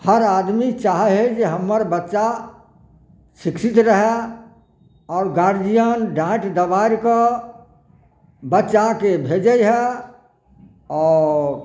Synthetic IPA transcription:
həɾad̪mit͡ʃaːɦɛɦed͡ʒeɦəmːəɾbətːʃa | ʃɪksit̪ɾəɦe | ɔːɾɡaɾd͡ʒijənɖãʈd̪əʋaɾkə | bətːt͡ʃakebʱed͡ʒəjɦɛ | ɔːɾ

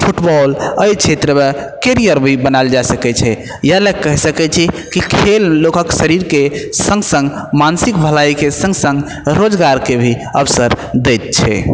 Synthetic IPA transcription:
pʰuʈbɔləjt͡ʃʰet̪ɾəmekeɾijəɾbʱibənaeld͡ʒasəkɛt͡ʃʰɛ | jəlekːəɦsəkɛt͡ʃʰɛkikʰelːokəksəɾiɾkesə̃ŋɡsə̃ŋɡmansik̚bʱəlajkesə̃ŋɡsə̃ŋɡ | ɾod͡ʒɡaɾkebʱiəbsəɾd̪ɛjt̪̚t͡ʃʰɛ̰

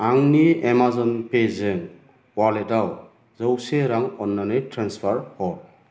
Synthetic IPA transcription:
aŋniemazɔnpezeŋ | waledaw | zɔwseɾaŋɔnːanetɾanspʰaɾhɔ

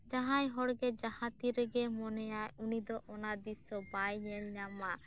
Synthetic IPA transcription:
d͡ʒaɦajɦɔɽɡɛd͡ʒahãt̪iɾɛɡɛmɔnɛjajunid̪ɔʔɔnad̪isɔbajɲɛlɲama

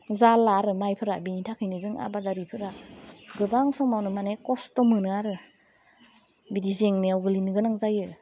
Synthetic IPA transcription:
zalːaɾɯmajpʰɯɾabinitʰakʰɯjnɯzɯŋa̰badaɾipʰɯɾaɡɯbaŋsɔŋmawnɯmanekɔstɔmɯnɯaɾɯ | bidizeŋneawɡɯlinɯɡɯnaŋzajɯ

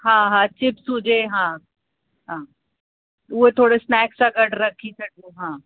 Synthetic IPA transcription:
ɦãːɦãt͡ʃɪpsud͡ʒeːɦãː | ɦãː | uɦet̪ʰoːɽesnɛːksaɡəʈɾɐkʰːisɐʈ̚uɦãː

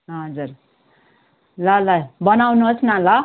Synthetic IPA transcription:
ɦʌd͡zur | lalajbʌnawnʌt͡sʰnãla

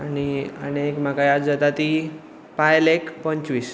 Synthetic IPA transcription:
añiə̰nekm̤akajad͡zat̪at̪i | pajlekpə̃ɲt͡ɕʋiːs

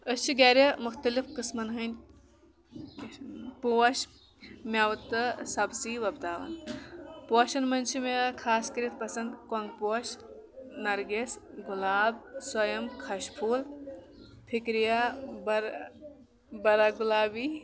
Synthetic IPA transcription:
əst͡ʃʰiɡɐːɾʲɐmʊxt̪ɐlifkismɐnɦɐnʲ | poːɐʃ | mʲawt̪ɨsɐbsiːʋɐbt̪aːʋɐ̰n | poːʃɐnmɐnt͡ʃʰimekʰaːskɐɾit̪̚pɐsɐnd̪kɐŋɡpoɐʃ | nɐɾɡesɡulaːbsɐjɐmkʰɐʃpʰuːl | pʰikɾijabɐɾ | bɐɾaːɡulaːbiː

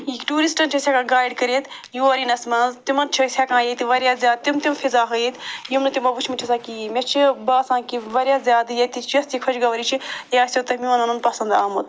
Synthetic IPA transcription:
ikʈuːɾisʈɐnt͡ʃʰosʲakãːɡaːjɖkɐɾet̪juɐɾinɐsmɐnzt̪imɐnt͡ʃʰɐsʲakãːjɐt̪iʋɐɾjaːzjaːd̪̚t̪imt̪imfʰizaːɦɐit̪jimnɨt̪imɐbut͡ʃʰmit͡ʃʰisaːkimʲɐt͡ʃʰibaːsãːkiʋɐɾʲjaːzʲjaːd̪jɐt̪it͡ʃʰjɐst̪ikʰɐt͡ʃɡɐʋɐɾit͡ʃʰijaːsʲjot̪ɐmiɐnɐnɐnpɐsɐnd̪aːmɐt̪

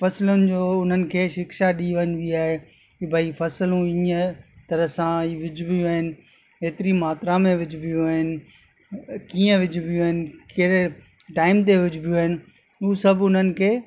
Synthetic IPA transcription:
fɐsɪlʊnɪ̆d͡ʑoːʊn̤ənɪ̆kʰeːʃɪkʃaɗiːʋɐnʋiaːɦe | bʱɐifɐsɪlũiːət̪ɐɾəɦsãiʋɪd͡ʑʱbʱijuaːɦɪnɪ̆ | eːt̪ɪɾimaːt̪ɾãmẽʋɪd͡ʑʱɪbʱijuaːɦɪnɪ̆ | kiːə̃ʋɪd͡ʑʱbʱijuaːɦɪnɪ̆keɾe | ʈaːɪmt̪eʋɪd͡ʑʱʊbʱijuaːɦɪnɪ̆ | usɐbʱʊn̤ənɪ̆kʰeː

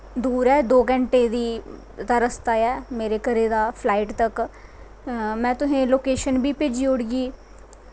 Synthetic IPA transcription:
d̪uːɾɛːd̪oːɡəɳʈeːd̪iː | d̪aːɾəst̪aːɛːmeːɾeːkəɾeːd̪aːpʰlaːɪʈt̪ək | mɛ̃ːt̪ʊɦẽːloːkeːʃənbiːpɪd͡ʒioɽɡiː

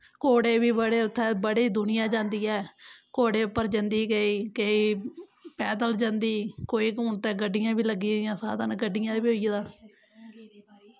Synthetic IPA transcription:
koːɽeːbiːbəɽeːʊt̪ʰːɛ̃ːbəɽeːd̪ʊnɪjãːd͡ʒãːnd̪iːɛːkoːɽeːʊpːəɾd͡ʒə̃nd̪iːɡeiːkeiːpɛːd̪əld͡ʒãːnd̪iːkoːiːkuːnt̪ɛ̃ːɡəɖːɪjãːbiːləɡiːjãːsa̰ːd̪aːnɡəɖɪjãːbioid̪ãː

